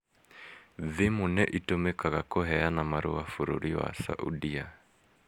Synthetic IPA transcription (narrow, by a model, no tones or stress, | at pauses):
ðemonɛʔitomɛkaɣakoɦɛanamaɾo̰wafuɾuɾiwa̰sa̰ʔṵdia